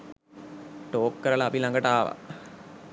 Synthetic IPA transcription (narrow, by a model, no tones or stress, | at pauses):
ʈoːkːəɾəlaːpilaŋɡəʈaːʋa̰